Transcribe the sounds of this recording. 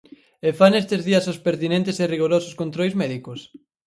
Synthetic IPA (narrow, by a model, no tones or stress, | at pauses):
efanest̪ezðiɐsospeɾt̪inẽnt̪eseriɣ̞oɾosʊ̥skont̪ɾojzmɛðikos